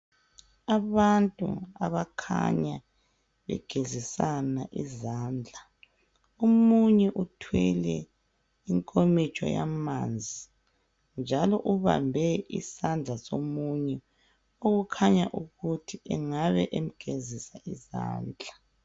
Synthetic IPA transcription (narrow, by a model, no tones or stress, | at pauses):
aβantʼṵaβakʰa̰ɲa | βɛ̰ɡ̥ʱezisanaʔizaːnd͡ɮʱa | omuɲɛʔutʰwɛlɛ̰ | iŋkʼomit͡ʃʼɔ̰jamand͡zʱi | nd͡ʒʱalɔʔuβa̰mbʱɛisand͡ɮʱasomuɲɛ | oɣukʰaɲa̰ʔuɣutʰiʔɛŋaβɛʔem̩ɡ̥ʱezisaʔiza̰ːnd͡ɮʱa